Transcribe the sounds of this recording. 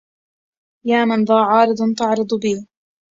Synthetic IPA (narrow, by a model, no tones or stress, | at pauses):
jaːmanðˤɑːʕɑːɾɨd̪ˤt̪ɑʕɾɨd̪ˤbiː